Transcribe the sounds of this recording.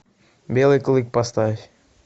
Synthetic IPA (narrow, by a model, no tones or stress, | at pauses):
bʲelˠeklˠik̚past̪aefʲ